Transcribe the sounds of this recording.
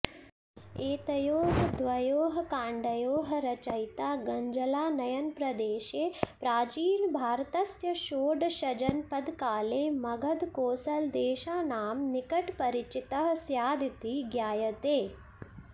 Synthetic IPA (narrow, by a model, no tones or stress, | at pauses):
eːt̪ɐjoːɦd̪ʋɐjoːɦɐkãːɳɖɐjoːɦɐɾɐt͡ʃɐjt̪aːɡɐɲd͡ʒɐlaːnɐjɐnpɾɐd̪eːʃeːpɾaːt͡ʃiːlbʱaːɾt̪ɐsjɐʃoːɖʃɐd͡ʒɐnpɐd̪kaːleːmɐɡʱɐd̪koːsɐld̪eːʃaːnaːmnikɐʈpɐɾit͡ʃit̪ɐɦsjaːd̪it̪iɡjaːjɐt̪eː